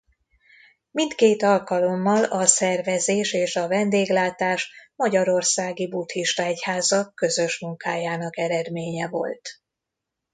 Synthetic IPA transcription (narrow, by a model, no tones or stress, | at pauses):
mint̪keːt̪ɒlkɒlo̞mːɒlɒsɛrvɛzeːʃeːʃɒvɛnd̪eːɡlaːt̪aːʃmɒɟɒɾo̞rsaːɡibut̪hiʃt̪ɒɛchaːzɒkːø̞zø̞ʃmuŋkaːjaːnɒkɛɾɛd̪meːɲɛvo̞̰lt̪